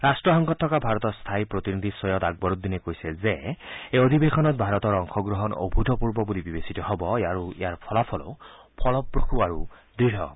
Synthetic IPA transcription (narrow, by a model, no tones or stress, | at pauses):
ɾasʈɹɔɦɔŋɡɔt̪ʰːɔkabʱaɾɔt̪ɔst̪ʰajpɾɔt̪inid̪ʱisɔjɔt̪aɡ̚bɔɾut̪d̪inekojsezeeod̪ʱibekʰɔnɔt̪̚bʱaɾɔt̪ɔɾɔŋkʰɔɡɾɔɦɔno̰bʱud̪ʱɔpuɹbɔbulibibesit̪ɔɦɔbɔejaɾuḛjaɹpʰɔlapʰɔlɔ̰ | pʰɔlɔpɹokʰuaɹu | d̪ɹiɾɦɔ̰